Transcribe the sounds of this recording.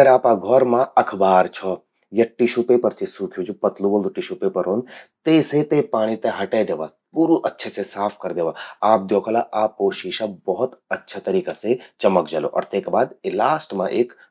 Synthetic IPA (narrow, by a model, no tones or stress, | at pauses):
əɾaːpaɡʱɔɾmãɐkʰbaːɾt͡ʃʰɔ | jeʈiʃupepəɾt͡ʃesuːkʰjũt͡ʃʰupɐt̪luʋəld̪uʈiʃupepəɾɦoːnt̪eset̪epaːɽ̃it̪eɦɐʈed̪eːʋa | puːɾuʔətːʃʰesesaːpʰkɐɾd̪eːʋaaːp̚d̪joːkʰːlaʔapoːʃiːʃabɔɦɔt̪ətːʃʰat̪ɐɾiːkaset͡ʃɐməkd͡ʒalo̰ʔɔ̰ːɾt̪eːkbaːd̪elaːsʈmã̰ʔeːk